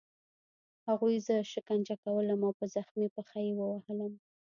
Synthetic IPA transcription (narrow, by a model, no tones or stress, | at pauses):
haɣujzəʃɪkand͡ʒakawələmawpəzaxmipəxajewəwahələm